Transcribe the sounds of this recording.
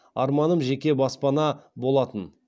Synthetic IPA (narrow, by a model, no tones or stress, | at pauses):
ɑ̰ɾmɑnəmʒe̞kʲe̞bɑspɑnɑbo̞lˠɑt̪ən